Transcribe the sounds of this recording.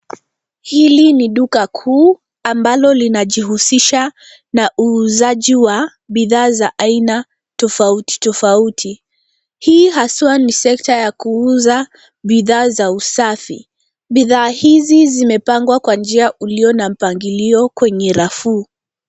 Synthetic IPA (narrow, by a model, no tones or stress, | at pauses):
hiliniɗukakʰuː | ambalɔlinaʄihusiʃa | naʔuːzaʄiwa | ɓiðaːzaʔaina | tɔfauti̥tɔfautʰi | hiːɦasuwanisɛktajakuuza | ɓiðaːzausafi | ɓiðaːhizizimɛpaŋɡwakwand͡ʒiaʔuliɔnam̩paŋɡiliɔkwɛɲɛɾafuː